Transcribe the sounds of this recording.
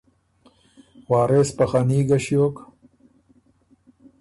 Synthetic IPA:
waːɾespɐxaniːɡɐɕjoːk

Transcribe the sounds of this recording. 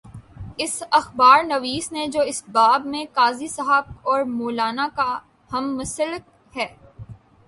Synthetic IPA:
ɪsɐxbaːɾnɐʋiːsned͡ʒoːɪsbaːbmẽkaːzisɐɦəb̚ɔːɾmoːlaːnaka | hɐmːʊsəlɪk̚ | hɛː

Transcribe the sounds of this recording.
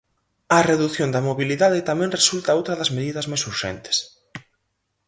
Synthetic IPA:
ɐreðuθjond̪ɐmoβiliðaðɪt̪amɛ̃ŋresult̪ɐowt̪ɾɐðɐzmeðiðɐzmajsuɾʃɛ̰nt̪ɪ̥s

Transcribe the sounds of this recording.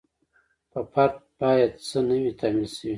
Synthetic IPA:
pəfaɾt̪̚b̥ɑjad̪̚t͡sənəwit̪ʰɑmilsəwi

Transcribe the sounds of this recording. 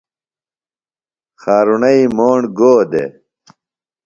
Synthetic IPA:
xaːɾunɐimoːɳɡoːd̪ḛ

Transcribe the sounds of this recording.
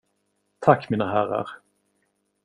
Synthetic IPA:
t̪ʰakːmiːnaɦæɾa̰ɾ

